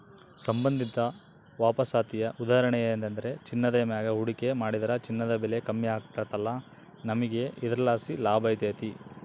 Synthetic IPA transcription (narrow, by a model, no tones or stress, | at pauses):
sɐmbɐnd̪ʱit̪ɐ | ʋaːpɐsaːt̪ijɐʔud̪aːɐɾɐɳɛjɐːnd̪ɐnd̪ɐɾe̞t͡ʃinːɐd̪ɐjɐmɐjaːɡɐɦuɽike̞maːɽid̪ɐɾɐt͡ʃinːɐd̪ɐbɛlekɐmːjɐaːkt̪at̪ɐlːɐ | nɐmɐɡe̞id̪ɾɐlaːsilaːbɐjt̪eːt̪i